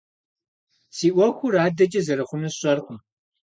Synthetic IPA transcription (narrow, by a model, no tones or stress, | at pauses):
siːʔʷɐxʷʊɾaːdɐt͡ʃʼɐzɐɾɨχʷʊmɨɕʼɐrqʷʼʊm